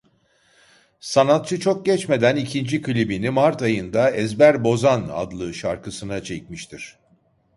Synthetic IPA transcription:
sanat̪̚t͡ʃʰɯt͡ʃʰok̚ɟɛt͡ʃme̞d̪ænicʰind͡ʒikʰɯlʲibinimaɾt̪ajɯnd̪aɛzbæɾbo̞zana̰d̪lˠɯʃaɾkɯsɯnat͡ʃʰɛc̚miʃt̪ʰiɾ̥

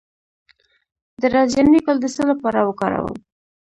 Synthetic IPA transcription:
d̪əɾɑzjanikəld̪əsəlapɑɾawəkɑɾa̰wə̰m

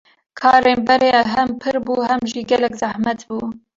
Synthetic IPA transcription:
kʰɑːɾeːnbɛɾeɦɛmpʰɨɾbuːhɛmʒiːɡɛlɛkzahmɛt̪buː

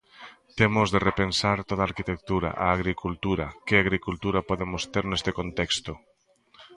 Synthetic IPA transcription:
t̪emozðerepensaɾt̪oðaːɾkit̪ek̚t̪uɾa̰ʔaːɣɾikult̪uɾakeaɣɾikult̪uɾapɔðemost̪eɾnest̪ekont̪ekst̪o

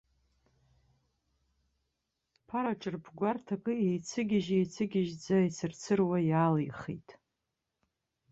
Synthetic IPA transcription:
pʰaɾaʈ͡ʂʼɨrpʰɡʷartʰakʼɨejt͡sʰɨɡʲɪʒejt͡sʰɨɡʲɪʒd͡zait͡sʰɨrt͡sʰɨrwajaːlijχḭjtʼ

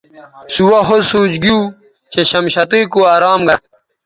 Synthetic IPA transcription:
suwɐɦosuːd͡ʑɡiuː | t͡ɕeɕɐmɕɐt̪iːkuaːɾaːmɡɐ

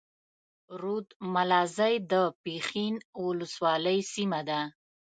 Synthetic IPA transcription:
ɾud̪malɑzajd̪əpexinwʊləswɑləjsimad̪a

